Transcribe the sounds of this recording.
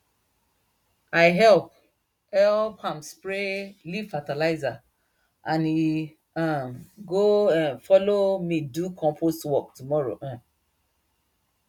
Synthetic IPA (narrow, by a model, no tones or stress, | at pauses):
aɪɦɛlp̚ | ɛlphãmspɹeliv̥fatalaɪza | ʔãni | ãɡoãnfɔlomidukʰɔ̃mpʰostwɔk̚tumɔɹo̰ʔã